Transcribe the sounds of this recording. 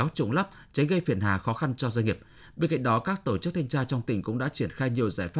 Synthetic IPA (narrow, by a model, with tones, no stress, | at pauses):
wt͡ɕʊ̰˨˧˩ŋ͡mla˦˥p̚ | t͡ɕa˨˦ŋ̟ɣə˧jfi˧˩ənɦa̰ː˨˩xɔ˨˦xa˧nt͡ɕɔ˧za˧jŋi˨˩əp̚ | ɓe˧nka̰˧˨ŋ̟ɗɔ˨˦kaː˦˥k̚t̪o˧˩t͡ɕɨ˦˥t̪ʰa˧jŋt͡ɕaː˧t͡ɕɔ˧wŋ͡mt̪ï˨˩ŋ̟kʊ̰˧˥ŋ͡mɗa̰ː˧˥t͡ɕi˧˩ənxaː˧jɲ˨˩əwzaː˧˩jfa˦˥